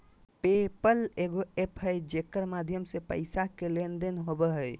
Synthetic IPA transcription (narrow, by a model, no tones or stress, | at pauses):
pepəleɡoepɦəjd͡ʒekəɾmad̪ʱjəmsepə̰jsakelend̪enɦobəɦəj